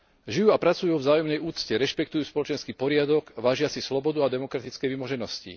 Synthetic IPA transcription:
ʒijuapɾat͡sujuvzaːjɔmnɛjuːt͡scɛɾɛʃpɛk̚t̪ujuːspɔlɔt͡ʃɛnskiːpɔɾɪad̪ɔɡʋaːʒɪasislɔbɔd̪uad̪ɛmɔkɾat̪it͡skɛjʋimɔʒɛnɔscḭ

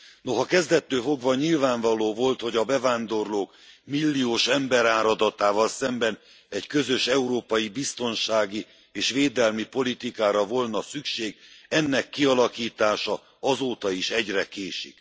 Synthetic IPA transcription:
no̞ɦɒkɛzd̪ɛt̪ːøːfo̞ɡvɒɲilvaːɱvɒloːvo̞lt̪ho̞ɟɒbɛvaːnd̪o̞rloːk | milːioːʃɛmbɛɾaːɾɒd̪ɒt̪aːvɒlsɛmbɛn | ɛɟkø̞zø̞ʃɛuɾoːpɒjibist̪o̞nʃaːɡi | eːʃʋeːd̪ɛlmipo̞lit̪ikaːɾɒvo̞lnɒsykʃeːɡɛnːɛkːiɒlɒkiːt̪aːʃɒ | ɒzoːt̪ɒiʃɛɟrɛkeːʃḭk

